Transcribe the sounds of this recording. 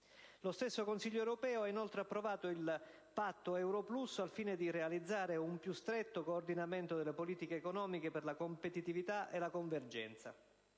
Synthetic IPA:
lost̪esːokonsiʎːoewɾopɛːoainolt̪ɾeapːɾovaːt̪oil | pat̪ːoɛwɾoplusalfiːned̪irealid̪zːaːɾeumpjust̪ɾet̪ːokoːrd̪inament̪od̪elːepoliːt̪ikeːkonɔːmikeperlakompet̪it̪ivit̪aʔelakoɱverd͡ʒɛ̰nt̪sa̰

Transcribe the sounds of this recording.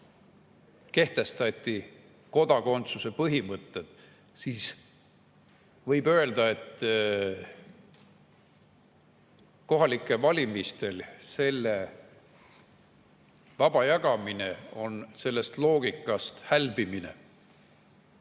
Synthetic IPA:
ke̞ht̪e̞st̪ɑt̪ʲːˑi | ko̞d̪ɑko̞nt̪suse̞pɤɦimɤt̪ːˑed̪̥ | siːs | vɤjbø̞e̞ld̪ɑe̞t̪ː | ko̞ɦɑlikːˑevɑlʲimist̪e̞lse̞lːe | vɑb̥ɑjɑɡ̥ɑmine̞o̞nse̞lːe̞st̪lo̞ːɡ̥ikːˑɑst̪hælbiminḛ

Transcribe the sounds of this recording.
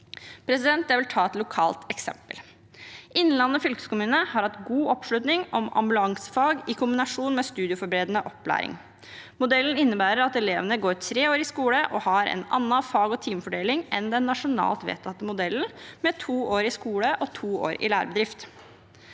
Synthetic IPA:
pʰɾɛsɪd̪ɛnt̪̚d̪æʋɪlt̪ʰɑːɛt̪lʊkʰɑ̰ːlt̪ɛksɛ̰mpəl | ʔɪnːlɑnːɔfʏlkəskʊmʉːnəhɑɾhɑt̪ɡuːʔɔpʂlʉt̪nɪŋɔmɑ̰mbʉlɑŋsə̥fɑːɡɪkʰʊmbɪnɑʂuːnmɛst̪ʉːd̪ɪʊfɔɾbɾeːd̪nəʔɔpːlæ̰ːɾɪ̰ŋ | mʊd̪ɛln̩ɪnːəbæːɾəɾɑt̪ɛleːʋənəɡoːɾt̪ʰɾeːoːɾɪskuːləʔɔhɑɾɛ̰nɑ̰nːɑfɑːɡɔt̪ʰiːmfɔɖeːlɪŋʔɛnd̪ɛnːɑʂʊnɑ̰ːlt̪ʋḛːt̪ʰːɑt̪ːəmʊd̪ɛln̩mɛt̪ʰuːoːɾɪskuːləʔɔt̪ʰuːo̰ːɾɪ̰læːɾbəd̪ɾɪft̪

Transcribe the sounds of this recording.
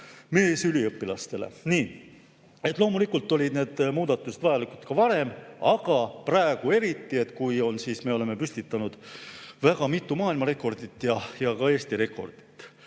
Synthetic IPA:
me̞ːsylʲiɤpːilɑst̪e̞lḛniː | e̞t̪ːˑlo̞ːmulikːˑult̪ːˑo̞lʲid̪̥ne̞ːd̪̥muːd̪̥ɑt̪ːˑused̪vɑjɑlikult̪kɑvɑɾe̞mɑɡ̥ɑpræeɡ̥ue̞ɾit̪ːie̞t̪ːˑkujo̞nsiːsme̞o̞le̞me̞pysʲt̪it̪ːˑɑnud̪̥væɡ̥ɑmit̪ːˑumɑːilmɑɾe̞kːˑo̞rd̪it̪ːˑjɑjɑkɑe̞ːst̪iɾe̞kˑo̞̰rd̪̥i̥t̪ːˑ

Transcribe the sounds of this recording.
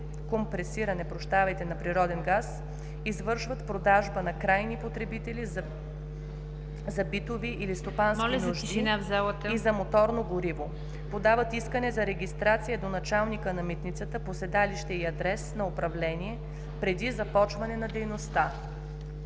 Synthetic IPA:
kompɾɛsiɾɐnɛpɾoʃt̪avɐjt̪ɛnɐpɾiɾɔd̪ɛnɡas | izvɤɾʃvət̪pɾod̪aʒbənɐkɾajnipot̪ɾɛbit̪ɛli | zɐbit̪oviʔilist̪opansɔlʲinoʒdd̪inavzalˠət̪izɐmot̪ɔɾnoɡoɾivo | pod̪avət̪iskənɛzɐɾɛɡʲist̪ɾat̪sijəd̪onɐt͡ʃalˠnikənɐmit̪nit̪sət̪əposɛd̪aliʃt̪ɛiɐd̪ɾɛsnɐopɾɐvlɛniɛ | pɾɛd̪izɐpɔt͡ʃvɐnɛnɐd̪ɛjnost̪a

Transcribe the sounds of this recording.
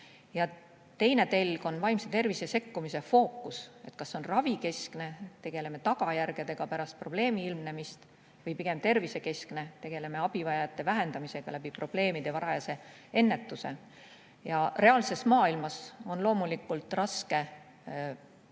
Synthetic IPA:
jɑ | t̪e̞jne̞t̪e̞lʲɡ̥o̞nvɑjmset̪e̞rvise̞se̞kːumise̞fo̞ːkːˑuse̞̰t̪kɑsːo̞nrɑvike̞skne̞t̪e̞ɡ̥e̞le̞me̞t̪ɑɡ̥ɑjærɡ̥e̞d̪̥e̞ɡ̥ɑpæɾɑst̪̚pro̞b̥le̞ːmiilmne̞mist̪ | vɤjpiɡ̥e̞mt̪e̞rvise̞ke̞skne̞t̪e̞ɡ̥e̞le̞me̞ɑb̥ivɑjɑjɑt̪ːˑe̞væɦe̞nd̪̥ɑmise̞ɡ̥ɑ̰læbipro̞b̥le̞ːmid̪e̞vɑɾɑjɑse̞ | e̞nːet̪ːuse̞̰ | jɑre̞ɑlse̞smɑːilmɑso̞nlo̞ːmulikːˑult̪ˑrɑske̞

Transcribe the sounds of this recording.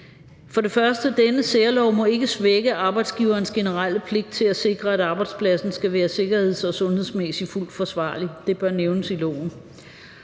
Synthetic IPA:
fɒ̽ɾe̝fɶɐsd̥əd̥enəseɐlɒʊmɒ̽e̝ɡ̥əsʋeɡ̥əʔɑ̈ːb̥ɑ̈ɪd̥sɡ̥iʊɐːnsɡ̥e̝nəʁal̰pʰle̝ɡ̥̚d̥t͡sʰe̝læse̝ɡ̥ʁɐæɾɑ̈ːb̥ɑ̈ɪd̥spʰlæsn̩sɡ̥æʋæːɐse̝ɡ̥ɐhe̝ð̰ˠsɒ̽sɔ̽nhe̝ð̰ˠsmesiful̰d̥fɒ̽sʋɑ̰̈ːlid̥e̝b̥ɶɐneʊnəsilɒ̰ʊ̰n̩

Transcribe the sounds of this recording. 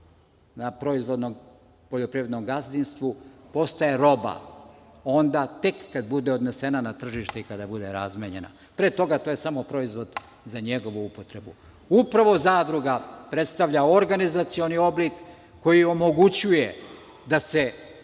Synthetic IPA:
napɾo̞izʋo̞d̪nom | poʎopɾiːɾed̪nomɡazd̪inst̪ʋupo̞st̪ajeɾo̞ba̰ | o̞nd̪at̪e̞kːad̪bud̪e̞o̞d̪ne̞senanat̪r̩ʒiʃt̪eikad̪abud̪e̞ɾazmeɲe̞̰na̰ | pɾet̪o̞ɡat̪oje̞samo̞pɾo̞izʋo̞d̪ | zaɲe̞ɡo̞ʋuupo̞t̪ɾe̞bṵ | upɾaʋo̞zaːd̪ɾuɡapɾe̞t̪st̪aʋʎaoɾɡanizat̪sio̞nio̞blikː | o̞jio̞mo̞ɡut͡ɕuje | d̪ase

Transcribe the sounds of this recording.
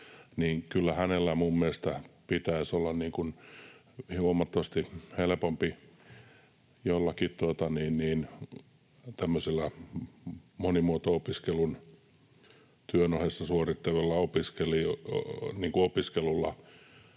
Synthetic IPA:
niːŋkylːæhænelːæmumːiest̪æpit̪æisolːɑnniːŋkun | huomɑt̪ːoʋɑst̪ihelepompi | jolːɑkitt̪uot̪ɑniːnniːn | t̪æmːøsilːæ | monimuot̪oopiskelun | t̪yønohesːɑsuorit̪ːɑʋelːɑopiskeli | niːŋkuopiskelulːɑ̰

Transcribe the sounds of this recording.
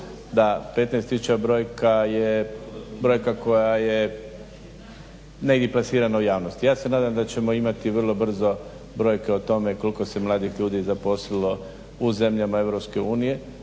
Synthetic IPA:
d̪ape̞t̪najst̪jisut͡ʃabɾo̞ːjkaje | bɾo̞jkako̞jaje | neid̪iplˠasiːɾanaujaːʋnost̪ijaːsenaːd̪amd̪at͡ɕe̞mo̞imat̪iʋr̩lˠo̞br̩zo̞ | bɾo̞ːjke̞ot̪o̞me̞ko̞liko̞se̞mlˠaːd̪ixʎuːd̪izapo̞slilo̞ | uze̞mʎamaeʋɾopske̞uːnije̞

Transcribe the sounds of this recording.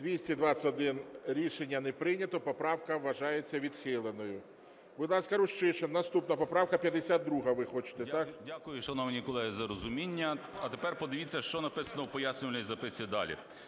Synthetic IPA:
d̪ʋʲisʲtʲid̪ʋɑt͡sʲɐɔd̪ɪnɾʲiʃenʲːɐnɛpɾɪnʲɐt̪ɔpɔpɾɑwkɐʋːɐʒɑjet͡sʲːɐʋʲid̪xɪlˠenɔjʊ | bʊd̪lˠɑsʲkɐɾʊʃt͡ʃɪt͡ʃennɐst̪upnɐpɔpɾɑwkɐpʲjɐd̪esʲad̪ːɾuɦɐʋɪxɔt͡ʃɪ̥t̪et̪ɑkdʲakʊjʊʃɐnɔʋnʲikɔlˠɛɦizɐɾɔzʊmʲinʲːɐɐt̪epɛrpɔd̪ɪʋʲit͡sʲːɐʃt͡ʃɔnɐpɪsɐnɔwpɔjasʲnʲʊʋɐlʲɪijzɐpɪsʲɪd̪ɑ̰lʲḭ

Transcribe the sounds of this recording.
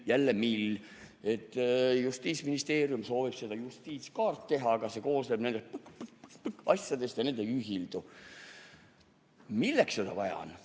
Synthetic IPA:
jælːemil | e̞t̪ːˑjust̪iːt̪sminist̪e̞ːɾjumso̞ːvib̥se̞d̪ɑjust̪iːt̪skɑːrt̪ːe̞ɦɑkɑse̞ko̞ːst̪ebnend̪̥est̪̚pkpkɑsjɑd̪e̞st̪jɑne̞nd̪eyɦild̪̥u | milːeksed̪̥ɑ̰vɑjɑ̰n

